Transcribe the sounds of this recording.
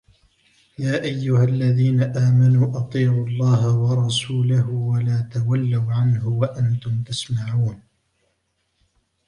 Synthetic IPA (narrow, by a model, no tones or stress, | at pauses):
jaːʔajːʊhalːaðiːnaʔaːmanuːʔɑt̪ˤiːʕʊɑlˤːɑːɦawɑɾˤɑsuːlaɦʊwalaːt̪awalːawʕanhʊwaʔant̪ʊmt̪asmaʕuːn